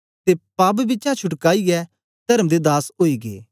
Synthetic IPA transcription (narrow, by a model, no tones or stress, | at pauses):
t̪epaːb̬bɪt͡ʃãt͡ʃʰʊʈkaːiɡɛ | d̪̥ɐɾəmd̪ed̪aːsoːiɡḛː